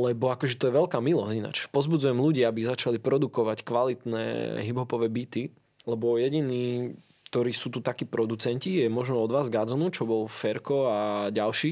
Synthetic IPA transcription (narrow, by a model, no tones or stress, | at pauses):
lɛbɔakɔʒɛt̪ɔjɛʋɛlkaːmilɔzina̰t͡ʃpɔzbud͡zujɛmluɟiːabizat͡ʃalipɾɔd̪ukɔʋackʋalit̪nɛ̰ːɦibɦɔpɔʋɛːbit̪i | lɛbɔjɛɟiniː | kt̪ɔɾiːsuːt̪ut̪akiːpɾɔd̪ut͡sɛɲcijɛmɔʒnɔɔd̪ʋaːzɡad͡zɔnut͡ʃɔbɔlfɛɾkɔaɟalʃiː